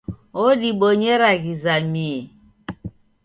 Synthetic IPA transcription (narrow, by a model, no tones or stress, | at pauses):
odiɓoɲeɾaɣizamie